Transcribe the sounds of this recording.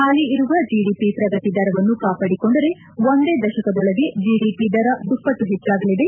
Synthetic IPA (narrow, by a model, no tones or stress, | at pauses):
haːliiɾuʋɐd͡ʒiɖiːpipɾɐɡɐt̪id̪ɐɾɐʋɐnːukaːpaːɽiko̞ɳɖɐɾe̞ | ʋond̪e̞ːd̪ɐʃɐkɐd̪ɔɭɐɡe̞d͡ʒiːɖiːpid̪ɐɾɐd̪upːɐʈːuɦɛt͡ʃːaːɡɐlid̪e̞